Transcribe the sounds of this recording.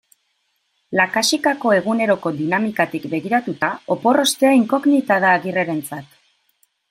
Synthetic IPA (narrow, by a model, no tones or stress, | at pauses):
lakasikako̞e̞ɣ̞une̞ɾo̞ko̞d̪inamikat̪ikbe̞ɣiɾat̪ut̪ao̞po̞ro̞st̪e̞aiŋko̞ɣnit̪aðaːɣire̞ɾe̞nt͡sat̪